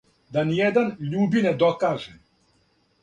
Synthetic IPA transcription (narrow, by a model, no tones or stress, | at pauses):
d̪anijɛd̪anʎuːbined̪okaːʒɛ